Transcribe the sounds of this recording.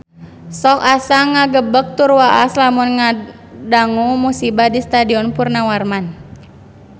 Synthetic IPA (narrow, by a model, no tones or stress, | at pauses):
sɔkasaŋːaɡəbək̚t̪urwaʔaslamunŋa | daŋumusibadist̪adiɔnpurnawarman